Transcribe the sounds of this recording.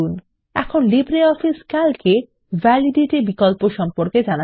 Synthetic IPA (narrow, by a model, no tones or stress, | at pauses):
un | ɛ̰kʰonlibɾeɔfʰiskalke | vʱɛliɖiʈebikolpoʃɔmpoɾked͡ʑana